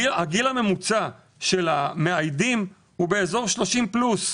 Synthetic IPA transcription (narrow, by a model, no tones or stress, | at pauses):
aɡilamemut͡sa | ʃe̞lame̞ajdim | hube̞ezo̞ʁʃlo̞ʃimplus